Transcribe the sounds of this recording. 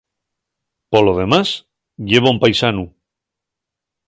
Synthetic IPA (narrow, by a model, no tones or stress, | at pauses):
poloð̞e̞mas | ʎeβ̞aumpajsanu